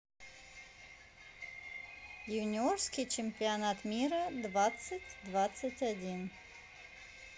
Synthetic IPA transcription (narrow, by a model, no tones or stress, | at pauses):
juwnʲɪorskʲijt͡ʃɪmʲpʲianat̪mʲiɾəd̪vat̪sɨtʲd̪vat̪sɨtʲadʲin